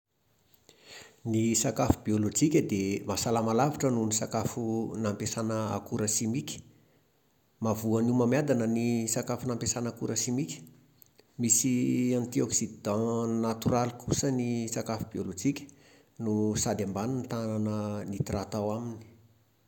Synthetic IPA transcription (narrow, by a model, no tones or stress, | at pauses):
nisakafubiolod͡ʒikʲəd̪emasalamalaviʈ͡ʂənunisakafunampesanəa̰kuɾəsimikʲə̥ | mavuənumamjad̪anənisakafunampesanakuɾəsimikʲə̥ | misiãnt̪ioksid̪ãnat̪uɾalikusənisakafubiolod͡ʒikʲə̥ | nusad̪ambaninit̪ananənit̪rat̪awamini̥